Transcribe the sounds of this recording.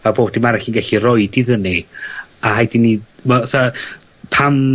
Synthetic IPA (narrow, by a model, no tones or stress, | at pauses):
aboːbdinmaɾɛɬiːnɡɛɬirɔɨdiðəniaɦajdinimasa | pʰam